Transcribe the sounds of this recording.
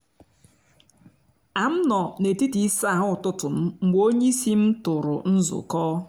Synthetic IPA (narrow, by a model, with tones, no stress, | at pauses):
a˨m̩˦nɔ˨ne˨ti˦ti˨˦sa˦˨ɦʊ˦˨tʊ˦tʊ˨m̩˦ŋ͡m̩˦ɡ͡bo˦ɲe˦i˦si˦m̩˦tʊ˨ɾʊ˨n̩˦zʊ̰˨kɔː˦